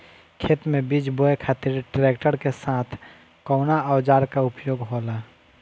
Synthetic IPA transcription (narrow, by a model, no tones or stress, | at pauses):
kʰeːt̪mẽbid͡ʒboekʰaːt̪iɾʈɾek̚ʈəɾkesaːt̪ʰ | kɔʊnaəwd͡ʒaːɾkaʊpjoːɡɦola